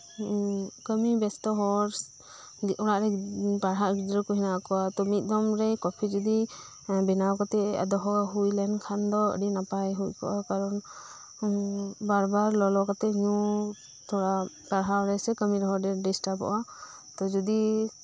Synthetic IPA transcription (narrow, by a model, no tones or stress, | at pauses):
kəmibɛst̪ɔɦɔɾs | ʔɔɽaʔɾɛpaɽɦaʔɡid͡ʒɾɔkɔɦinakɔwat̪ɔmit̪̚ˀd̪ɔmɾɛjkɔpʰid͡ʒɔd̪i | bɛnawkat̪ɛa̰d̪ɔɦɔaɦujlɛnkʰand̪ɔə̰ɖinapajɦuckɔ̰ʔakaɾɔn | baɾbaɾlɔlɔkat̪ɛɲu | t̪ʰɔɽa | paɽɦawɾɛjsɛkəmiɾɔɦɔɾdɛɖisʈapɔ̰ʔa | t̪ɔd͡ʒɔd̪i